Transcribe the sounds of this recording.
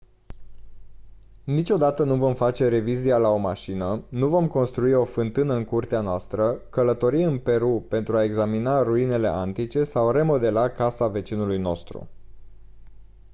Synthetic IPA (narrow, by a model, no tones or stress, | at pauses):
nit͡ʃʲo̞d̪at̪ənuvo̞mfat͡ʃe̞ɾe̞vizialao̞maʃinənuvo̞mko̞nst̪ɾuio̞fɨnt̪ɨnəɨnkurt̪eanoast̪ɾəkələt̪o̞ɾiɨnpe̞ɾupe̞nt̪ɾuae̞ɡzaminaruine̞le̞̰ʔant̪it͡ʃe̞sawre̞mo̞d̪e̞lakasave̞t͡ʃinulujno̞̰st̪ɾṵ